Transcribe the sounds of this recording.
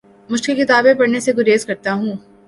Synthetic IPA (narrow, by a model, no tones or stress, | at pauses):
mʊd͡ʒkekɪt̪aːbẽpɐɽneseɡʊɾeːzkɐɾt̪aɦũː